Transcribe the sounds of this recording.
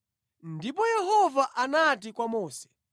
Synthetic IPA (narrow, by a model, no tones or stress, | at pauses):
ndipɔjɛhɔvaʔanatikwamɔːsɛ̥